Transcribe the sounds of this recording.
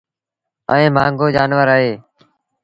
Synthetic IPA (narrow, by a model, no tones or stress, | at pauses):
əẽːmaːŋɡoːd͡ʒaːnʋəɾaːɦeː